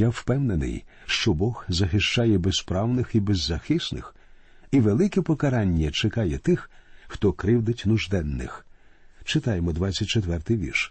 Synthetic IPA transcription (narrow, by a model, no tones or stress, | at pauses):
jawpɛwnenɪ̰jʃt͡ʃɔbɔɣzɐxɪʃt͡ʃajɛbespɾɑwnɪxibezːɐxɪsnɪ̰x | iʋelˠɪkɛpɔkɐɾɑnʲːɐt͡ʃekɑjɛt̪ɪxxt̪ɔkɾɪwd̪ɪtʲnʊʒd̪ɛnːɪ̰x | t͡ʃɪt̪ɑjemɔd̪ʋat͡sʲːɐt̚ʲt͡ʃet̪ʋɛrt̪ɪjʋʲḭrʃ